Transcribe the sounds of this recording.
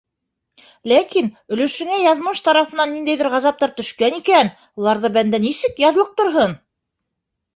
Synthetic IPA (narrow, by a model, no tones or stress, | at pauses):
lækinɵ̆lɘ̆ʃɘ̆ŋæjɑðmɤʃt̪ɑɾɑfɤ̆nɑnːind̪æjðɘɾʁɑzɑp̚t̪ɑɾt̪ɵ̆ʃkænikæn | ulˠɑɾðɤbænd̪ænisɘkjɑðlˠɤq̚t̪ŏɾɦɤn